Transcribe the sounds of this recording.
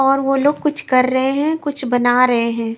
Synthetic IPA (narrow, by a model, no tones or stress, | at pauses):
ɔːɾʋoloːɡ̚kʊt͡ʃʰkɐɾːɐɦeɦɛ̃kʊt͡ʃʰbɐnaːɾɐɦeɦɛ̃ː